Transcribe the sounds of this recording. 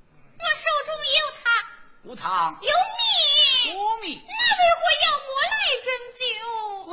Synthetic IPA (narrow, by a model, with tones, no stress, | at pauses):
wɔ˥˩ʂo˨˩ʊʈ͡ʂʊ˥ŋjɛ˧˥jo˨˩ʊt̪ʰa˧˥ŋ | u˧˥t̪ʰɑ˧˥ŋjo˧˥ʊmi˨o˧˥mi˨˩na˥˩we˧˥ɪxwɔ˧˥jɑ˥˩ʊmwɔ˧˥la˥˩ɪʈ͡ʂə˥nt͡ɕi˥ʊ